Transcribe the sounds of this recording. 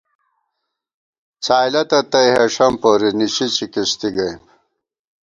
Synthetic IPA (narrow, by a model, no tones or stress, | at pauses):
t͡saːjlɐt̪ɐt̪ɐjɦɐʂɐmpoːɾiniɕit͡ɕikiɕt̪iɡɐjm